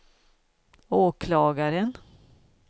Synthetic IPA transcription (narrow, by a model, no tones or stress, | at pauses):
oːkʰlɑːɡaɾən